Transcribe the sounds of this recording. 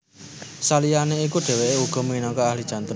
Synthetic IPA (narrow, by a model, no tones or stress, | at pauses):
salijaneikuɖ̥e̤weeuɡ̥ɔ̤muinɔkɔahli̥ʒ̥a̤nt̪